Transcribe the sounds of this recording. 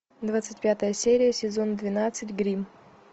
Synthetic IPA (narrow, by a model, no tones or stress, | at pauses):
d̪vat̪sɨtʲpʲat̪əjəsʲeɾʲɪjəsʲɪzo̞nd̪vʲɪnat̪sɨtʲɡɾʲim